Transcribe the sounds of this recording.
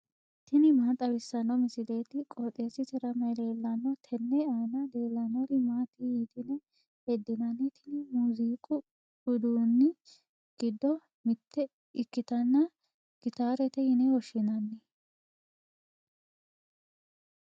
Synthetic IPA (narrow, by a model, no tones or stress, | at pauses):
t̪ɪnɪmaːt̪ʼɐbɪsːɐnːɔmɪsɪleːt̪ɪkʼɔt̪ʼeːsɪt̪ɪɾɐmɐd̪eːlːɐnɔt̪ʰɛnːɛaːnɐd̪e̞ːlːɐnɔɾɪmaːt̪ihit̪ʼɪnɛ | hɛd̪ːɪnɐnːɛt̪ʰɪnɪmuːziːkʼʊ | ʊd̪uːnːɪ | ɡ̥ɪd̪ːɔ | mɪt̪ːɛ | ɪkːɪt̪ɐnːɐ | ɡ̥ɪt̪aːɾɛt̪ɛhɪnɛwɔʃɪnɐnːɛ